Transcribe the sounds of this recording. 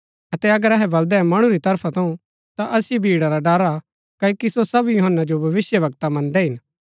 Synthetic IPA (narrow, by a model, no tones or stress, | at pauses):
ɐt̪ɛɐɡəɾɛɦɛbɐld̪ɛɛ̃mɐɽ̃uɾit̪ɐɾpʰat̪ɐũ | t̪aʔɐsjibʱiːɽaɾaɖaːɾa | kɐokisosɐbjʊɦənːad͡ʒobʱɐʋɪsjəʋɐɡ̚t̪amɐ̃nd̪ɛɦɪn